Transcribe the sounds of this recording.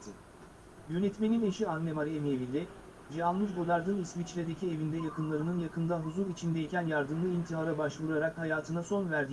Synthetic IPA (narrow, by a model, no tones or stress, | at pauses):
t̪ʰɯ | jø̞nɛt̪me̞nine̞ʃianːemaɾiemevinʲd̪ɛ | d͡ʒalˠmɯzbo̞d̪aɾd̪ɯnismit͡ʃlʲed̪e̞cʰie̞vind̪ɛjakɯnlˠaɾɯnɯnjakɯnd̪aɦuzuɾit͡ʃʰind̪ɛicʰænjaɾd̪ɯmlˠɯint̪ʰiɦaɾabaʃvuɾaɾakhajaːt̪ʰɯnaso̞nvæɾd̪i